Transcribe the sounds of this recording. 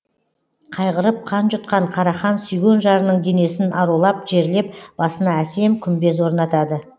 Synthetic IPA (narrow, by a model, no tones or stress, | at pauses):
qʰɑjʁəɾəp̚qʰɑnʒʊt̪̚qɑɴqʰɑɾɑχɑnsʏjɡʲenʒɑɾənəɴd̪e̞ne̞sɪnʔɑɾulˠɑp̚ʒ̥e̞ɾle̞p̚b̥ɑsənɑæse̞mkʲʰʏmbe̞zwo̞ɾnɑt̪ɑd̪ə